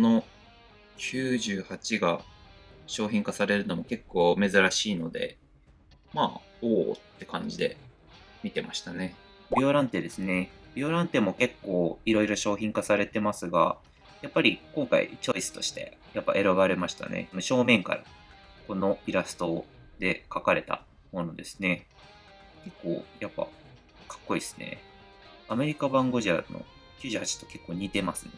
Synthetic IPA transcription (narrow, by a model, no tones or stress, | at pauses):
ono̞ | kʲʰɨːʑɨːhat͡ɕiɡa | ɕo̞ːçĩŋkasaɾe̞ɾɯ̟no̞mo̞ke̞kːo̞ːme̞zɨɾaɕiːno̞d̪e̞̰ | maː | oːt̪ːe̞kãɲ̟d͡ʑid̪e̞̰ | mʲit̪e̞maɕi̥t̪ane̞ | bʲioɾãnt̪e̞d̪e̞sɨne̞b̥ʲjo̞ːɾãnt̪e̞mo̞ke̞kːo̞ːiɾo̞iɾo̞ɕo̞ːçʲĩŋkasaɾe̞t̪e̞masɨɡa̰ | japːaɾʲikõ̞ŋka̰ḭt͡ɕo̞isɨ̥t̪o̞ɕi̥t̪e̞̰japːa̰ʔe̞ɾaβaɾe̞maɕi̥t̪a̰nḛsnoɕo̞ːmẽ̞ŋka̰ɾa̰ | ko̞no̞iɾasɨ̥t̪o̞ | d̪e̞kakaɾe̞t̪a̰ | mo̞no̞d̪e̞sɨ̥ne̞ | ke̞kːo̞̰ːjapːa̰ | kʰḁkːo̞iːsɨ̥ne̞̰ | ame̞ɾʲikabãŋɡo̞ʑia̰no̰ | kʲɨːʑɨːhat͡ɕi̥t̪o̞̥ke̞kːo̞ːɲ̟it̪e̞masɨne